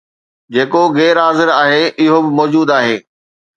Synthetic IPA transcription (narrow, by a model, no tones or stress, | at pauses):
d͡ʑeːkoɣɛːɾaːzɪɾaːɦeːʔɪɦobɪmɔːd͡ʑuːd̪aːɦeː